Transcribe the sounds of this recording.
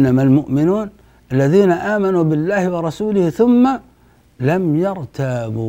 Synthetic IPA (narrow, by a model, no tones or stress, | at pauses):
nːamalmʊʔmɪnuːn | ʔalːaðiːnaʔaːmanubɪlːaːhɪwɑɾˤɑsuːlɪhθʊmːa | lamjɑɾˤt̪ʰaːbu